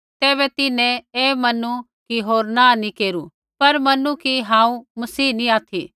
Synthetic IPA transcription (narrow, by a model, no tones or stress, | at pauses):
t̪ɛːβɛt̪ɪnẽeːmɐnu | kiɦoːɾnãːnĩkeːɾu | pɐɾmɐnukiɦãːũmɐsiːnĩaːt̪ʰḭ